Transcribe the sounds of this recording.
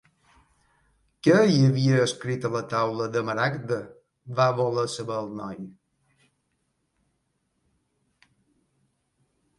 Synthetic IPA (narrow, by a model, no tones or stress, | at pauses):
kəiəβiəːskɾit̪ələt̪awləd̪əməɾakd̪ə | βaβoləsəβəlˠnɔj